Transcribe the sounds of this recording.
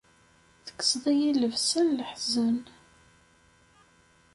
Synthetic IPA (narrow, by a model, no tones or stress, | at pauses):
θə̥kːə̥sðˤæjiləvsənləħzən